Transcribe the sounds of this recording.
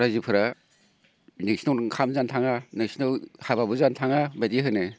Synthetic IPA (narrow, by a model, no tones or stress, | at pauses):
ɾazipʰɯɾa | nesnɔlkʰamzantʰaŋanesnɔlhababɯzantʰaŋabatiɦɯnɯ